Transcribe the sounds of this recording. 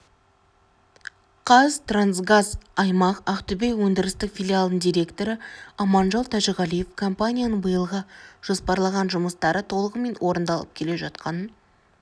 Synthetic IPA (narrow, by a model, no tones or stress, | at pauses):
qʰɑzt̪ransɡazɑjmɑqɑqt̪ʏbejwɵnd̪ɪɾɪst̪ɪkfʲilʲialˠd̪əɴd̪ijɾe̞kt̪o̞ɾəɑmɑnʒɑlˠt̪ʰæʃɪʁælije̞fkʰo̞mpanʲijanəɴbəjəlˠʁəʒ̥o̞spɑɾlˠɑʁɑnʒʊməst̪ɑɾət̪ʰo̞lˠəʁəme̞nwʔo̞ɾənd̪ɑlˠəp̚kʲʰe̞le̞ʒɑt̪qɑnən